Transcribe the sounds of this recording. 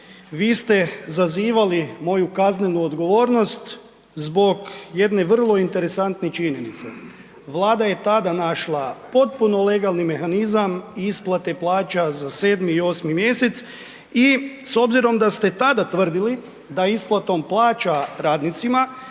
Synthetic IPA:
ʋiːst̪e̞zaziːʋalimo̞jukazne̞nuod̪ɡo̞ʋo̞ːɾno̞st̪ | zbo̞ɡje̞d̪ne̞ʋr̩lˠo̞int̪e̞ɾe̞sant̪net͡ʃiɲe̞nit̪se̞ | ʋlˠaːd̪aje̞t̪ad̪anaʃlˠapo̞t̪̚puno̞le̞ɡalˠnime̞xanizamiisplˠat̪e̞plˠaːt͡ʃazase̞ːd̪miːo̞smimje̞se̞t̪s | iso̞bziɾo̞md̪ast̪e̞t̪ad̪at̪ʋr̩d̪ili | d̪aisplˠat̪o̞mplˠaːt͡ʃaɾaːd̪nit̪sima

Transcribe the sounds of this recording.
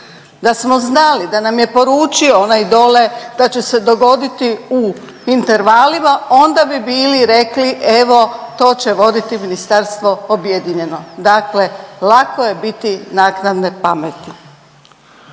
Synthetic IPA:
d̪asmo̞znalid̪anamje̞po̞ɾuːt͡ʃioonajd̪o̞le̞d̪̥at͡ɕese̞d̪o̞ɡo̞d̪it̪iu | int̪e̞ɾʋalimao̞nd̪abibiːliɾe̞kliʔe̞ʋo̞t̪o̞ːt͡ɕe̞ʋo̞d̪it̪iminist̪aɾst̪ʋo̞objed̪iɲe̞no̞d̪akle̞lako̞je̞bit̪inaːknad̪ne̞pamet̪i

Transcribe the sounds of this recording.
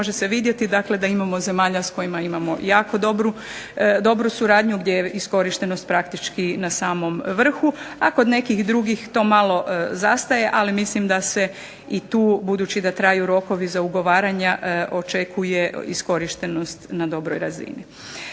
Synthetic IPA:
oʒese̞ʋiːd̪je̞t̪id̪akle̞d̪aimamo̞ze̞maːʎasko̞jimaimamo̞jaːko̞d̪obɾu | d̪o̞bɾusuɾaːd̪ɲuɡd̪jejeisko̞ɾiʃt̪eno̞st̪̚pɾakt̪it͡ʃkinasaːmo̞mʋr̩xuako̞d̪ne̞kixd̪ɾuɡixt̪o̞ːmalo̞zast̪aje̞ʔalimislimd̪ase̞ | it̪uːbud̪uːt͡ɕid̪at̪ɾaːjuɾo̞ko̞ʋizauɡo̞ʋaːɾaɲaʔʔo̞t͡ʃe̞kʰuje̞isko̞ɾiʃt̪e̞no̞st̪nad̪o̞bɾo̞jɾazḭnḭ

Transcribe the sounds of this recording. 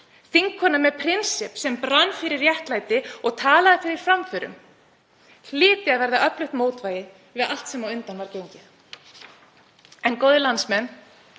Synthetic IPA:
θiŋkʰːɔnːamɛpʰɾɪnsɪpsɛmpɾanːfɪɾɪɾjɛhk̪lajt̪ɪɔɣt̪ʰaːlaðɪfɪɾɪɾ̥fɾamfʏɾʏ̰m | hl̥ɪːt̪ɪaðvɛɾðaʔœplʏxt̪moːwt̪vaːjɪð | vɪðal̥t̪sɛmawʏnt̪anvaɾcejɲcɪθ | ɛnkoːwðɪlant̪smɛnː

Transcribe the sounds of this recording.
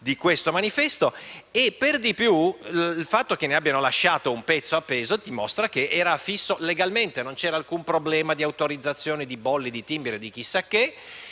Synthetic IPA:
d̪ikwest̪omanifɛst̪oepːerd̪ipjulfat̪ːok̟eneabːjanolaʃːaːt̪oumpɛt̪sːoapːeːzot̪imost̪ɾakeʔɛːɾafisːoleɡalment̪enont͡ʃɛːɾaːlkumpɾoblɛːmad̪iawt̪oɾid̪zːat̪sːjoːned̪ibɔlːid̪it̪imbeɾed̪ik̟isːakːe

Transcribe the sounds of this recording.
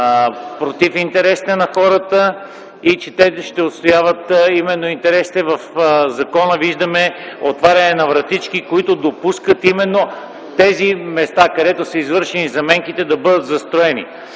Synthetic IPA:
pɾot̪ifint̪ɛɾɛsi̥t̪ɛnɐxɔɾət̪ə | it͡ʃɛt̪ɛʃt̪ɛot̪st̪ojavət̪imɛnːoint̪ɛɾɛsi̥t̪ɛvɐfzɐkɔnəviʒd̪əmɛot̪vaɾʲɐnɛnɐvɾɐt̪it͡ʃkikoit̪od̪opuskət̪imɛnːo | t̪ɛzimɛst̪akɐd̪ɛt̪osəizvɤɾʃɛnizɐmɛŋkit̪ɛd̪ɐbɤd̪ət̪zɐst̪ɾoɛnḭ

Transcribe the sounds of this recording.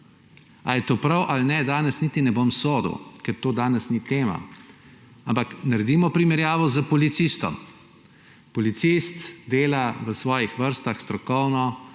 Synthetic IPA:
ajɛt̪oːpɾawʔalnɛd̪aːnɛsnit̪inɛbomsoːd̪əwkɛɾt̪oːd̪aːnɛsnit̪eːma̰ | ampaknaɾɛd̪imɔpɾimɛɾjaːʋɔzəpɔlit̪sist̪ɔ̰m | pɔlit̪sist̪d̪eːlaʋəsʋɔːjixʋəɾst̪axst̪ɾɔkɔwnɔ

